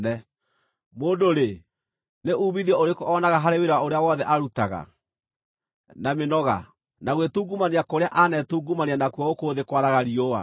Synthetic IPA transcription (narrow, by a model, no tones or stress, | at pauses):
ɛ | moːndoɾe | neʔuːβiðiɛoɾekɔnaɣaɦaɾeweɾwaoɾeawɔðɛʔaɾutaɣa̰ | namenɔɣa̰ | naɣwetuːɡumaneakoɾeaʔanɛtuːɡumaneanakuaokoðekwaɾaɣaɾiowa̰